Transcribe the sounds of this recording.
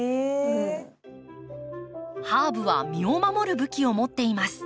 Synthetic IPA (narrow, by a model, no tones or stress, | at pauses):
haːbɯβa̰mʲio̞mamo̞ɾɯ̟bɯ̟kʲio̞mo̞t̪ːe̞imasɨ̥